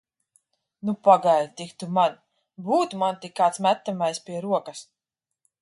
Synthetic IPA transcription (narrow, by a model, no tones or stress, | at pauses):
nupaɡajlt̪ʲikt̪uman | buːt̪umant̪ikːaːt̪smæt̪ːamajspʲiɛɾuɔkas